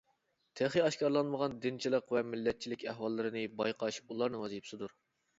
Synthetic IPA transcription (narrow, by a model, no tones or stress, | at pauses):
t̪ʰæχiɑʃkɑɾlˠɑnməʁɑnd̪ɪnt͡ʃʰilˠəqvɛmɪlːɛt̪̚t͡ʃʰilɪkʲæhwɑlˠːɨɾɨnɨbɑjqʰɑʃulˠɑɾnɨŋwɑzijpsɨd̪uɾ